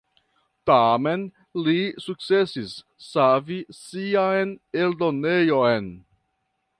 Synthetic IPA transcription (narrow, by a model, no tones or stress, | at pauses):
tame̞n | lisuk̚t͡se̞sisː | avisiajne̞ldone̞jo̞jn